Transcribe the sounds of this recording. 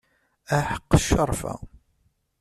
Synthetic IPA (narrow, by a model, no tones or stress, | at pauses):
æħə̥qːʃːəɾˤfæ̰